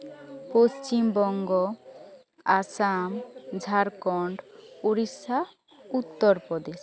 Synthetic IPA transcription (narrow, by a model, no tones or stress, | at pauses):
post͡ɕimbɔŋɡɔ | asamd͡ʒʱaɾkɔɳɖoɾisa | ut̪ːɔɾpɾɔd̪es